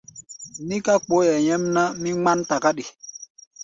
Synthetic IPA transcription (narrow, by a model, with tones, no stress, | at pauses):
ni˦ka˦k͡po˦ja˨jɛ˦mna˦mi˦ŋ͡ma˦nta˨ka˦ɗi˨